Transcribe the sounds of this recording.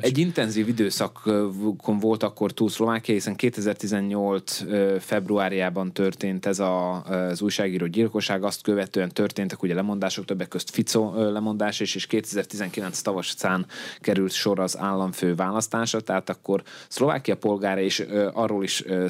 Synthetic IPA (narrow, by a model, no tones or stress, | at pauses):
ɛɟːint̪ɛnziːvid̪øːsɒkkʰːoɱvo̞lt̪ɒkːo̞rt̪uːlslo̞vaːkijɒhisɛŋkeːt̪ɛzɛrt̪izɛɲːo̞lt̪søfɛbruaːɾijaːbɒnt̪ørt̪eːnt̪ɛzɒzujʃaːɡiːɾoːɟilko̞ʃaːɡɒst̪køvɛt̪øːɛnt̪ø̞rt̪eːnt̪ɛkuɟɛlɛmo̞nd̪aːʃok̚t̪øbːɛkːøst̪fit̪solɛmo̞nd̪aːʃɔiʃeːʃkeːt̪ɛzɛrt̪izɛŋkilɛnst̪ɒvɒʃt̪saːnkɛɾylt̪ʃo̞ɾɒza̰ːlːɒɱføːvaːlɒst̪aːʃɒt̪ɛɦaːt̪ɒkːo̞rslo̞va̰ːkijɒpo̞lɡaːɾɒeːʃɒrːoːliʃ